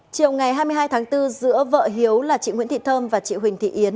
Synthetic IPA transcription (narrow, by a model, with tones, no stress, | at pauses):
t͡ɕi˨˩əwŋa˨˩jɦaː˧jmɨ˧əɦaː˧jt̪ʰaː˨˦ŋt̪ɨ˧zɨ̰˧˥əvə̰ː˧˨ɦi˨˦əwlaː˨˩t͡ɕḭ˧˨ŋwi˧˥nt̪ʰi˧˨t̪ʰəː˧mvaː˨˩t͡ɕḭ˧˨hï˨˩ŋ̟t̪ʰḭ˧˨ʔi˨˦ən